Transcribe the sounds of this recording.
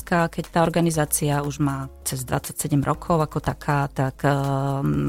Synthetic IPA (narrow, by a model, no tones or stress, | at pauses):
kakɛct̪aːɔɾɡanizaːt͡siauʒmaːt͡sɛzd̪ʋa̰t͡sːacsɛɟɛmɾʔɔkʰɔʊakɔt̪akʰaːt̪akː